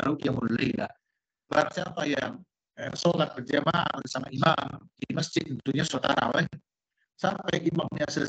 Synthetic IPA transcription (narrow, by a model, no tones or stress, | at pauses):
aukiamulaila̰h | baɾaŋsiampajaŋ | əsolat̪̚bəd͡ʒama̰t̪disamaimamdiməsd͡ʒɪt̪̚unt̪uɲasat̪aɾa̰wan | sampajimamɲasə